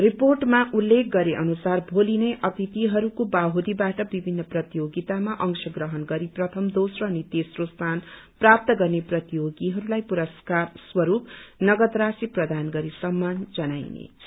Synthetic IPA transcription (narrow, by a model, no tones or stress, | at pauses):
riporʈmaʔulːek̚ɡʌɾeʔʌnusarbʱolineʔʌt̪it̪iɦʌɾukobaɦod̪ibaʈʌbibʱinːʌprʌt̪ijoɡit̪amaʔʌŋsʌɡrʌɦʌnɡʌɾiprʌt̪ʰʌmd̪osrʌːnit̪esrost̪ʰanprap̚t̪ʌɡʌrneprʌt̪ijoɡiɦʌɾulajpuɾʌskarswʌɾupnʌɡʌd̪rasiprʌd̪ʱanɡʌɾisʌmːand͡zʌnajnḛ